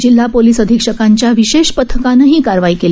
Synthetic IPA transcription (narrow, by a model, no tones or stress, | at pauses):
d͡ʑilːapoliːsəd̪ʱikʂəkaɲt͡ɕjaʋiɕeɕpət̪ʰːəkanəɦiːkaɾʋaiːkele